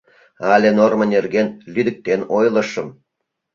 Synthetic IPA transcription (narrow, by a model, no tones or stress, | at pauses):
ɑlʲenormə̆nerɡenlyd̪ə̆k̚t̪enojlˠɤ̆ʃɤ̆m